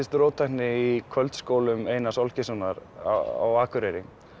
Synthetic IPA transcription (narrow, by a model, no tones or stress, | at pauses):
ɪst̪ɾoːwt̪ʰajhnɪikʰœlt̪skoːwlʏmeːjnasɔlcɪsɔnaɾa̰a̰waːkʏɾɛɾɪ